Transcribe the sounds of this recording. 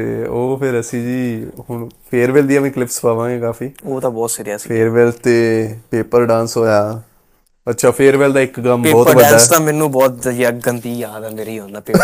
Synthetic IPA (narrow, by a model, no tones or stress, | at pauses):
t̪ḛːoːpʰɪɾəsĩːd͡ʒiːhʊɳpʰeːɾʋeːld̪iːɛːmɛ̃ːklɪpʰspaːʋãːɡeːkaːfʰiːoːt̪ãːbɔːt̪səɾjaːsipʰeːɾʋeːlt̪eːpeːpəɾɖãːnsɦoːjaː | ətːʃʰaːpʰeːɾʋɛːld̪aːɪkɡəmeːbɔːtəʋəd̪aːɛːt̪ãːmɛ̃ːnũːbɔːt̪̚d͡ʒɡənt̪iːjaːd̪ə̃nd̪eɾiːɦõːnaːpeː